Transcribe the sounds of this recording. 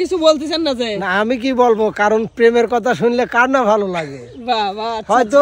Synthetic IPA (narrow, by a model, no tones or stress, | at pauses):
kit͡ɕʰubolt̪esʰenːad͡ʑaenaamik̬ibolbokaɾonpɾemeɾkɔt̪ʰaʃunlekaɖnabʱalolaɡe | babaɦɔjt̪̬o